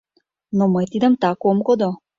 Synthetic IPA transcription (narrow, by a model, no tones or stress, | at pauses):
nɔmɔjt̪id̪amt̪akɔmkɔd̪ɔ